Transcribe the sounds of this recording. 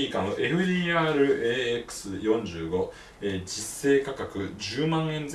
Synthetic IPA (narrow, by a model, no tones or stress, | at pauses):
iːkãnoʔe̞ɸɯ̟d̪ʲiːaːɾɯ̟eːekɯ̥sɨjõ̞ɲd͡ʑɨːɡo̞ | eːd͡ʑisːe̞ːkakakɯ̟d͡ʑɨːmãɰ̃ẽ̞nd͡z